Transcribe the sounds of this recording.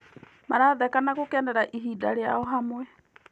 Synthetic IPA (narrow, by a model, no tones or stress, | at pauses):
maɾaðɛkanaɣokɛːndɛɾaʔiɦiːdaɾeaɔɦamwɛ